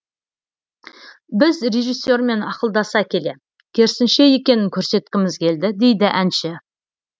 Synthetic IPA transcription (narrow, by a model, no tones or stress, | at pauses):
bɪzre̞ʒijsːe̞ɾme̞nɑqəlˠd̪ɑsɑkʲʰe̞le̞ | kʲʰe̞ɾsɪnʃe̞je̞kʲe̞nɪŋkʲʰɵɾse̞t̪kʲɪmɪzkʲʰe̞ld̪ɪd̪e̞jd̪ɪʔænʃɪ